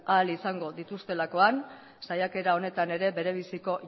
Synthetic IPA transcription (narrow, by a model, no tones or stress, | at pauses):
alisaŋɡo̞ðit̪ust̪e̞lako̞an | sajake̞ɾao̞ne̞t̪ane̞ɾe̞be̞ɾe̞β̞isiko̞